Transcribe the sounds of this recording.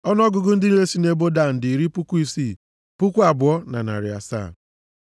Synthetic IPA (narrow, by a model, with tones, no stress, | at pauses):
ɔ˦n˦ɔ˦ɡʊ˨ɡʊ˦n̩˦dɪ˦n̩˦ɾe˦si˦ne˦bo˦da˦˨n̩˨dɪ˨i˨ɾi˦pu˦kʷu˦i˦siː˦˨ | pu˦kʷu˦a˨bʊ˨ɔ˦na̰˨na̰˨ɾɪ˨a̰˨sa̰˦˨